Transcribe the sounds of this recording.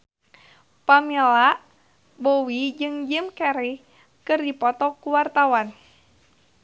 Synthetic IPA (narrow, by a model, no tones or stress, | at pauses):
pamilaʔ | bowid͡ʒɨŋd͡ʒɨmkɛɾi | kɨrdipɔt̪ɔkuwart̪awan